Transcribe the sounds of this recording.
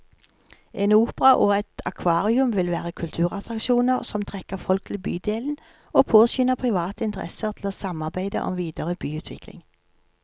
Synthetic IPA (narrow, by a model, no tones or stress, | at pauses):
eːnuːpəʁɑʔoːɛt̪ɑkʰʋɑːʁɪʉmʋɪlʋæːʁəkʰʉlt̪ʰʉːʁɑt̪ʁɑkʃuːnəʁsɔmt̪ʰʁɛkəʁfɔlk̚t̪ʰɪlbyːd̪eːln̩ | oːpʰoːsʏnəʁpʰʁɪʋɑːt̪əɪnt̪əʁɛ̰səʁt̪ʰl̩oːsɑmɑʁbæɪd̪ə̰ʔɔ̰mʋiːd̪əʁəbyːʉːt̪ʰʋɪklɪ̰ŋ